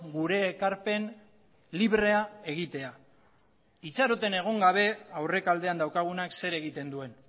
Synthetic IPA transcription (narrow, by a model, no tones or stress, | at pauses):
ɡuɾe̞ːkaɾpe̞n | liβɾe̞ae̞ɣ̞it̪e̞a | it͡saɾo̞t̪e̞ne̞ɣ̞o̞ŋɡaβ̞e̞awre̞kald̪e̞and̪awkaɣ̞unakse̞ɾe̞ɣit̪e̞nd̪ue̞n